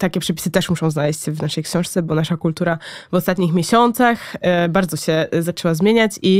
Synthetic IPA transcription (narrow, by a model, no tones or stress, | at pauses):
t̪akʲɛpʂɛpʲi̥sɘt̪ɛʂmuʂɔ̃w̃znalɛɕt͡ɕvnaʂɛjkɕɔ̃w̃ʂt̪sɛbɔnaʂakult̪uɾavɔst̪at̪ɲixmʲjeɕɔnt̪saxbaɾd̪zɔɕɛzat͡ʂɛwazmʲjeɲat͡ɕi